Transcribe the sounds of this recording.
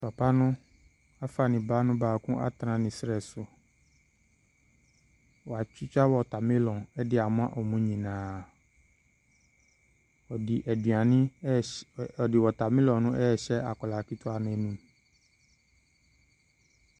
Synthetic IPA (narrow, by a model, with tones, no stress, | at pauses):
tɔ˨pa˦nʊ̃˦ | a˦fa˨nɪ̃˨baː˦nʊ̃˦baː˨kũ˦ʔa̰˦t̪ɾã˨nɪ̃˨sɾɛ˨sʊ˨ | wɔ˨a˨t͡ɕi˦t͡ʃa˦wɔ˨ta˨mɪ̃˦lɔ̃˨ɛ˦dɪ˦a˨m˦ã˦ʔɔ˨mũ˦ɲĩ˨nãː˨ | u˨a˨nɪ̃˦ | ɔ˨dɪ˨wɔ˨ta˨mɪ̃˦lɔ̃˨nʊ̃˦ʔɛ˦ɛ˨ɕɛ˦a˨kɔ˨la˨ki˦tʰɔ˦a˨nɛ̃˨˦nũ˦